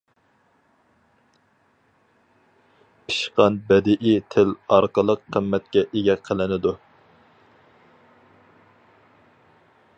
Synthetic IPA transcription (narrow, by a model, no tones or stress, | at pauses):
pʰi̥ʃqɑnbɛd̪ɪʔit̪ʰɪlɑɾqəlˠəqʰːəmːɛt̪̚kʲɛʔeɡʲɛqʰəlˠɪnɪd̪u